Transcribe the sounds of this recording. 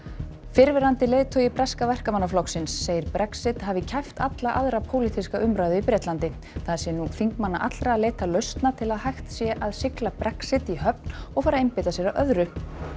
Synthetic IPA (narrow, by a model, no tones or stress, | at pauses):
fɪɾvɪɾant̪ɪleːjt̪ʰɔjɪpɾɛskavɛr̥kamanːaflɔksɪnsːejɪɾpɾɛksɪt̪ɦavɪcʰajft̪at̪laʔaðɾapʰoːwlit̪ʰiskaʔʏmɾaːɥðʏipɾɛːt̪lant̪ɪ | θaðsɛnufiŋkmanːa̰ʔat̪ɾaaleːjt̪alœɥst̪nat̪ʰɪlaðhajxt̪sjɛʔaðsɪklapɾɛksɪt̪iɦœp̚nɔɣfaːɾaejmpɪt̪asjɛɾaʔœðɾʏ